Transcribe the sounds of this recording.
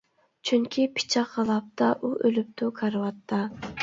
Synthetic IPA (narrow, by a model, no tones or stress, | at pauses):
t͡ʃʰyŋkʲʰipʰi̥t͡ʃʰɑqʰːɑlˠɑp̚t̪ɑʔuʔølyp̚t̪ʰukʰɑɾwɑt̪ʰːɑ